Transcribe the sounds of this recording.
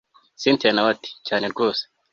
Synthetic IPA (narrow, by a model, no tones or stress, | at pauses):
sinteːnawati̥caːne̞ɾɡo̞ːse̥